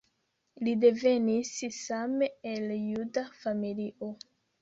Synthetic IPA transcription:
lide̞ve̞nissameeljudafamiliʔo

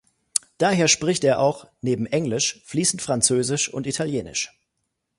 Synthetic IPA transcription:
d̥aːɦeːɐʃpʁ̥ɪçteːɐʔaʊxneːbm̩ʔɛŋlɪʃfliːsn̩tfʁ̥ant͡søːzɪʃʊ̰ntitʰaljeːnɪ̰ʃ

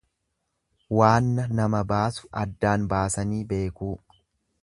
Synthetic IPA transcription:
waːnːɐnɐmɐbaːsʊ̥ɐd̪ːaːnbaːsɐniːbe̞ːkuː

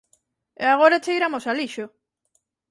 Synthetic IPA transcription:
eaɣ̞oɾet͡ʃeiɾamosaliʃo

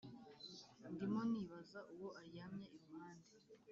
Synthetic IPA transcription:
ndimoniβazaʔuwo̞ʔaɾiamɲaiɾumaːnde

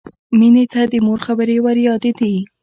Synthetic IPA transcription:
minet̪ad̪əmoɾxabəɾewaɾjɑd̪ed̪i

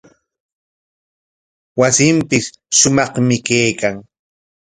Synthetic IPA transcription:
wasɪmpɪs | ʃʊmɑχmɪkejkaŋ

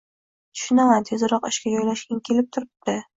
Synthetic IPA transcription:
t̪ʰʊ̥ʃʊnamant̪ʰezɾɒqɪʃkʲad͡ʒɒjlaʃkʲankʲʰe̞lɪp̚t̪ʰʊɾɪp̚d̪ɪ

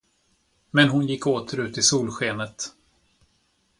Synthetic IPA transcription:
mɛnɦʊnjɪkːoːt̪ʰəɾʉ̟ːt̪ɪsuːlɧeːnət̪

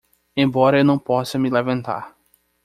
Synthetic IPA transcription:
ẽbɔɾɐewnɐ̃w̃pɔsɐmilɛvɐ̃nt̪a̰ɾ

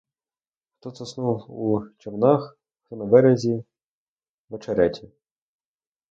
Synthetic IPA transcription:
xt̪ɔsɐsnuwut͡ʃɔwnɑx | ɔnɐbɛɾezʲi | ʋɐt͡ʃɐɾɛtʲi

